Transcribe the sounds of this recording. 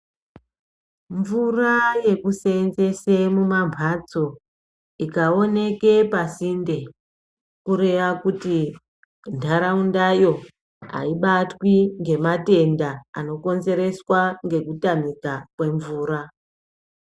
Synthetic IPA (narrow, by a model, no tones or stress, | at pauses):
ɱvuraje̞kuseːnze̞semumampʰat͡so̞ | ikao̞ne̞ke̞pasinde̞ | kuɾe̞ʋakuti | ntʰaɾaundajo̞ | a̰iɓatwiŋɡe̞mate̞nda̰ːno̞ko̞nze̞ɾe̞swaŋɡe̞kutamikakwe̞ɱvuːɾa